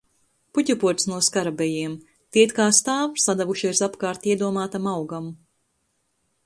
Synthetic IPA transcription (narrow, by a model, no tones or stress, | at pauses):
put̪ʲupuɔt̪snuɔskaɾabɛjiɛm | t̪iɛt̪kaːst̪aːwsad̪ɛvuʃiɛsapkaːɾt̪iɛd̪uɔmaːt̪amawɡam